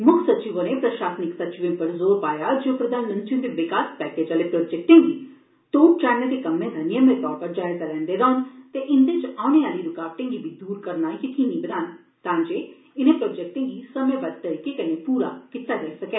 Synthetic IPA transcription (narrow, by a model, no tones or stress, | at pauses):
mʊkʰsət͡ʃiːʋoneːpɾəʃaːsnɪksət͡ʃɪʋẽpəɾzoːɾpaːjaːd͡ʒoːpɾəd̪aːnmə̃nt̪t͡ʃɪ̃nd̪eʋɪkaːspɛːkeːd͡ʒaːleːpɾoːd͡ʒɛːk̚ʈẽːŋɡiː | t̪oːp̚t͡ʃaːɾnẽːd̪eːkəmːẽːd̪ʱənijə̃ːnd̪et̪ɔːɾpəɾd͡ʒaːɪzalɛ̃ːnd̪eːɾəːʊnt̪eʔɪnd̪eːt͡ʃaːʊɽ̃ẽːaːliːɾʊkaːʋʈẽːŋɡibiːd̪uːɾkəɾnaːkɪkʰinĩːbənaːn | t̪ãːd͡ʒeː | ɪnẽːpɾoːd͡ʒɛk̚ʈẽːŋɡiːsəmẽːbəd̪̚t̪əɾiːkeːkəneːpuːɾa̰ːkɪt̪aːd͡ʒɐːisəkeː